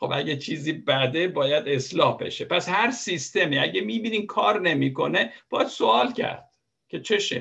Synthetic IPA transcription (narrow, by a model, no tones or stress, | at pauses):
xo̞bæɟet͡ʃʰiːziːbæd̪e̞bɒːjæd̪e̞slɒːhbe̞̰ʃepʰæshæɾsist̪e̞miːæɟemiːbiːniːmkʰɒːɾne̞miːko̞ne̞b̥ɒːjæd̪so̞ɒːlcʰæ̰ɾd̪̥ | cʰe̞t͡ʃʰe̞ʃḛ